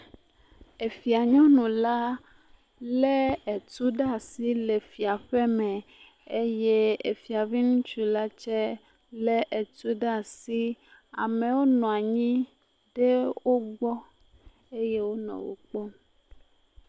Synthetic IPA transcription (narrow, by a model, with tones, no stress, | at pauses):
e˨fi˨a˨ɲɔ̃˦nũ˨la˦ | le˦e˨t̪u˦ɖa˦˨si˦le˨fi˨a˨ɸe˦mɛ̃˨ | e˦je˦e˨fi˨a˨vi˦nũ˦t͡ʃu˦la˦t͡ʃɛ˦ | le˦ʔe˨t̪u˦ɖa˦˨si˦ | a̰˨mẽ˨wo˦nɔ̃˨a˨ɲĩ˦ | ɖe˦wo˦ɡ͡bɔ˦ | e˦je˦wo˦nɔ̰̃˨wo̰˨k͡pɔ˦